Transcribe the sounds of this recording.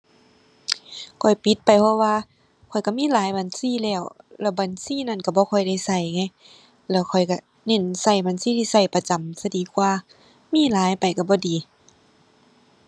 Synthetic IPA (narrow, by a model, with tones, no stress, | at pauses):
kʰɔ˨˩jpi˧˦t̪̚pa˨˩jpʰɔ˧waː˧ | kʰɔ˨˩jka˧˩miː˧˥˨laː˨˦jbaː˨nsiː˧˥˨lɛː˧˩wlɛ˧˩baː˨nsiː˧˥˨na˧˥˨nka˧˩bɔː˧kʰɔ˧˩jda˧˩jsa˧˩jŋa˧˥˨j | lɛː˧˩wkʰɔ˨˩jka˧˩ | ne˧˩˨nsa˧˩jbaː˨nsiː˧˨t̪ʰiː˧˨sa˧˩jpa˧t͡ɕa˨msa˧diː˨˦kwaː˧˩ | miː˧˥˨laː˨˦jpa˨˩jka˧˩bɔː˧˦diː˨˦